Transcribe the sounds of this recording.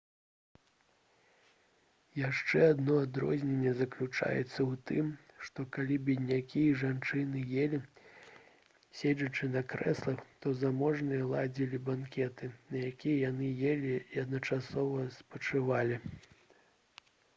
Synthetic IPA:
jaʂt͡ʂɛad̪nɔad̪ɾɔ̰zʲnʲɛnʲːɛzɐklʲut͡ʂa̰jɛ̰t̪sːɐwt̪ɨmʂt̪ɔkalʲibʲid̪ʲnʲakʲijɐʐant͡ʂɨnɨjelʲi | sʲed͡zʲɐt͡ʂɨnɐkɾɛ̰slˠɐxt̪ɔzamɔʐnɨjɐlˠad͡zʲilʲibankʲɛt̪ɨnɐjakʲijɛjanɨjelʲiːɐd̪nɐt͡ʂasɔvɐspɐt͡ʂɨvalʲi

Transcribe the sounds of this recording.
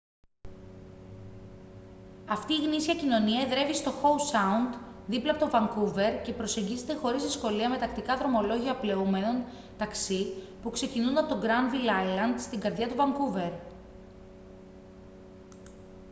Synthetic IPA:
ɐft̪iːɣnisiɐcino̞niɐeðɾe̞vist̪o̞xo̞usɐund̪ðiplɐpot̪ovɐŋkuve̞ɾce̞pɾo̞se̞ɲɟize̞t̪e̞xo̞ɾizðisko̞liɐme̞t̪ɐkt̪ikɐðɾo̞mo̞lo̞ʝiɐple̞ume̞no̞n | t̪ɐksi | pukse̞cinunɐpot̪o̞ɡɾɐnvilɐjlɐnd̪st̪iŋɡɐɾðʝɐt̪uvɐŋkuve̞ɾ

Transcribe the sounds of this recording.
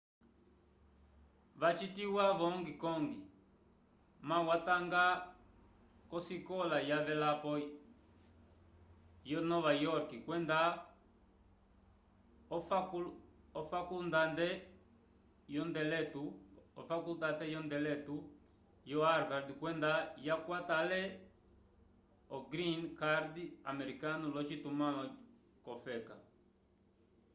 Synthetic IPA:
βat͡ʃitiwaβɔŋɡikɔŋɡi | mawataŋɡa | kɔsikɔlajavɛlapɔ | jɔnɔβajɔɾkikwɛnda | kuɔfakundandɛ | jɔndɛlɛtuɔ̰fakut̪aθɛjɔndɛlɛtu | jɔaɾvaɾdkwɛndajakwat̪alɛ | ɔɡɾinkaɾdiamɛɾikanulɔt͡ʃitumaɔ | kɔfɛka

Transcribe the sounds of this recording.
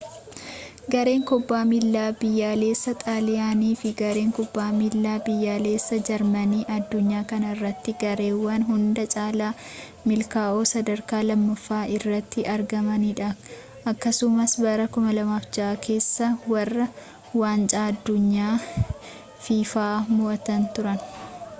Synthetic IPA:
ɡɐɾe̞ːŋkɔbːaːmɪlːaːbɪjːaːle̞ːsːɐt̪ʼaːlɪjaːniːfɪɡɐɾe̞ːŋkɔbːaːmɪlːaːbɪjːaːle̞ːsːɐd͡ʒɐɾmɐniːʔɐd̪ːʊɲːaːkɐnɐrːɐt̪ːɪɡɐɾe̞ːwːɐnɦʊnd̪ɐt͡ʃʼaːlaː | mɪlkaːʔoːsɐd̪ɐɾkaːlɐmːɐfːaːʔɪrːɐt̪ːɪʔɐɾɡɐmɐniːᶑɐ | ʔɐkːɐsʊmɐsbɐɾɐkʊmɐlɐmaːfd͡ʒɐʔakʰe̞ːsːɐwɐrːɐ | waːnt͡ʃʼaːɐd̪ːʊɲːaː | fiːfaːmʊʔɐt̪ɐnt̪ʊɾɐn

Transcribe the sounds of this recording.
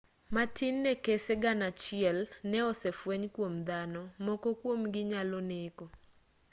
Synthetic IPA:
matʰɪnːɛkeseɡanat͡ʃɪɛlnɛɔsɛfwɛɲkwomd̪anɔmɔkɔkwomɡɪɲaloneko

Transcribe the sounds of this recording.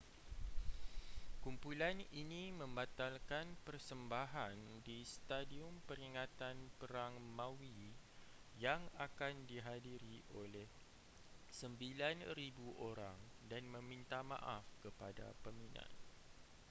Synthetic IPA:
kumpulaninimə̃mbat̪alkanpərsəmbaɦandist̪adiʊmpəɾiŋat̪anpəɾaŋmãwi | jaŋakandiɦadiɾiʔolɛh | səmbilanribuʔoɾa̰ŋ | danmə̃mint̪amã̰ʔafkəpada̰pəminã̰n

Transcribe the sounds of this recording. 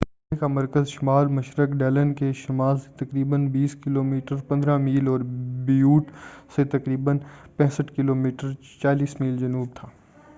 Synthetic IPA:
t̪ɐ | ekamɐɾkəzʃɪmaːɾmɐʃɾəkɖɛːlənkeʃɪmaːlse̥t̪ɐkɾiːbənbiːskɪloːmiːʈəɾpɐ̃nd̪ɾãmiːlɔːɾbijuːʈset̪ɐkɾiːbənpɛ̃ːsəʈkɪloːmiːʈəɾ | t͡ʃaːliːsmiːld͡ʒɐnuːb̚t̪ʰaː

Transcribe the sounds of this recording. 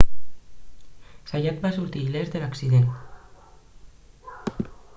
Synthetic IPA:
sajat̪̚basuɾt̪ilezðelaksiðent̪

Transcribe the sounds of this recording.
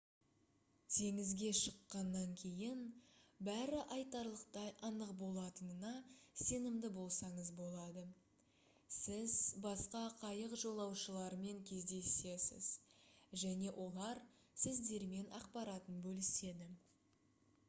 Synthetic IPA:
t̪ʰe̞ŋɪzɡʲe̞ʃəqːɑnːɑŋkʲʰe̞jɪnbæɾɪʔɑjt̪ɑɾlˠəqt̪ɑjʔɑnəqbo̞lˠɑt̪ənənɑse̞nɪmd̪ɪbo̞lˠsɑɴəzbo̞lˠɑd̪ə | sɪzbɑsqɑqʰɑjəqʒo̞lˠɑwʃəlˠɑɾme̞ŋkʲʰe̞zd̪e̞se̞sɪ̰z̥ʒæne̞ʔo̞lˠɑɾ | sɪzd̪e̞ɾme̞nʔɑ̰qpɑɾɑt̪ənbɵlɪse̞d̪ɪ

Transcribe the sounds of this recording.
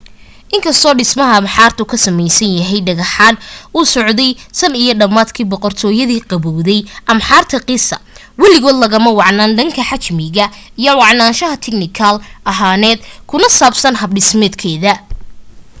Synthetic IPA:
ʔɪŋkʰɐst̪ʰɔːɖɪsmɐɦɐːmħaːrt̪ʰʊkʰɐsɐmɛjsɐnjɐɦɛjɖɐɣɐħaːnuːsɔʕd̪ɛjsɐnijɞɖɐmaːd̪kʰiːbɔqɔrt̪ʰɔːjɐðiːqɑβɔwðɛjʔɐmħaːrt̪ʰɐqɪsɐ | wɑlɪɣɔːd̪lɐɣɐmɐwɑʕnaːnɖɐŋkʰɐħat͡ʃmɪɣɐijɔwɑʕnaːnʃɐɦɐt̪ʰɛɡnɪkʰɐlɐɦaːnɛːd̪kʰʊnɐsaːbsɐnɦɐbɖɪsmɛːd̪kʰɛːðɐ

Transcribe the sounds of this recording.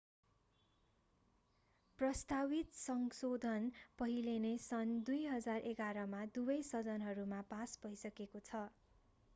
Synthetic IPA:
prʌst̪awit̪sʌŋsod̪ʱʌnpʌɦilenesʌnd̪ujɦʌd͡zarʔeɡaɾʌmad̪ubʌjsʌd͡zʌnɦʌɾumapasbʌjsʌkekot͡sʰʌ

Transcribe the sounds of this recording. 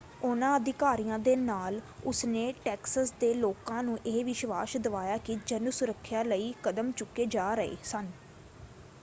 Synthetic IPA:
ʊnãːəd̪ɪkaːɾiːjãːd̪eːnaːlʊsneːʈɛːksəsd̪eːloːkãːnũːʔeːʋɪʃʋaːʃd̪əʋaːjaːkid͡ʒənsʊɾəkʰːjaːləiːkəd̪əmt͡ʃʊkːeːd͡ʒaːɾəḛːsən

